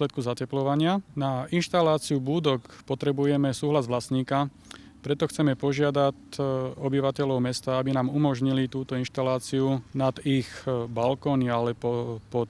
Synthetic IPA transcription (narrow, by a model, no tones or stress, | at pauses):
lɛt̪̚kuzacɛplɔʋaɲɪanainʃt̪alaːt͡siubuːd̪ɔkpɔt̪ɾɛbujɛmɛsuːɦlazʋlasɲiːka | pɾɛt̪ɔxt͡sɛmɛpɔʒɪad̪acɔbiʋacɛʎɔʊmɛst̪aabinaːmumɔʒɲilit̪uːt̪ɔinʃt̪alaːt͡siunad̪ixbalkɔːnialɛpɔpɔ